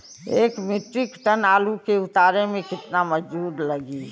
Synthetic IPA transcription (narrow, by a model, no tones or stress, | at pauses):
eːkmɪʈɾɪkʈənaːlukeʊt̪aːɾemẽkɪt̪namɐd͡ʒd͡ʒuːd̪lɐɡi